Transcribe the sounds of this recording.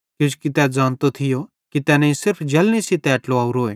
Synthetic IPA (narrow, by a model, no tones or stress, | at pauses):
kʊt͡ʃʰkit̪ɛd͡zaːnt̪ot̪ʰɪjo | kit̪ɛːnɐ̃ːĩsɪɾpʰd͡ʒɐlnisit̪ɛɐʈloaːuɾoːeː